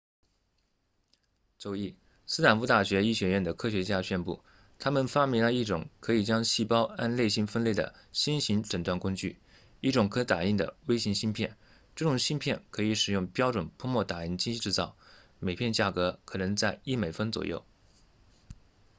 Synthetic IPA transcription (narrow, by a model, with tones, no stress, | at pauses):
t͡so˨˩ʊi˥˩ | sɹ̩˥t̪ʰa˨˩nfu˧˥t̪a˥˩ɕɥɛ˧˥i˥˩ɕɥɛ˧˥ɥɛ˥˩nd̪ə˩kʰɤ˥ɕɥɛ˧˥t͡ɕja˥˧ɕɥɛ˥˧npṵ˥˩ | t̪ʰa˥mə˨nfa˥mɛ˧˥lə˧i˥˩ʈ͡ʂʊ̰˨˩˦ŋkʰɤ˧˥i˨˩t͡ɕjɑ˥ŋɕi˥˩pɑ˥ʊa˥˧nle˥˧ɪɕi˥˩nfə˥nle˥˩ɪd̪ə̰˩ | ɕi˥nɕi˧˥ŋʈ͡ʂə˨˩nt̪wa˥˩nkʊ˥ŋt͡ɕy̰˥˩ | i˥˩ʈ͡ʂʊ˨˩ŋkʰɤ˧˥t̪a˨˩i˥˩ŋd̪ə̰˩we˥ɪɕi˧˥ŋɕi˥npʰjɛ˥˩n | ʈ͡ʂɤ˥˩ʈ͡ʂʊ˨˩ŋɕi˥npʰjɛ˥˩nkʰɤ˧˥i˧˥ʂɻ̩˨˩jʊ˥˩ŋpjɑ˥ʊʈ͡ʂwə˨˩npʰɔ˥mwɔ˥˩t̪a˨˩i˥˩nt͡ɕi˥t͡ɕʈ͡ʂɻ̩˥˧t͡sɑ˥˩ʊme˨˩ɪpʰjɛ˥˧nt͡ɕja˥˩kɤ˧˥kʰɤ˨˩nɤ˧˥ŋt͡sa˥˧ɪi˥˩me˨˩ɪfə˥nt͡swɔ̰˨˩jo̰˥˩ʊ